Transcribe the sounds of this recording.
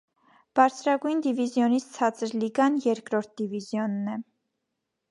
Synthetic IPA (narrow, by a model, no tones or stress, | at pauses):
b̥ɑɾt͡sʰɾɑɡujnd̪ivizjɔnit͡sʰt͡sʰɑt͡səɾliɡɑnjɛɾkɾɔɾt̪̚d̪ivizjɔnːɛ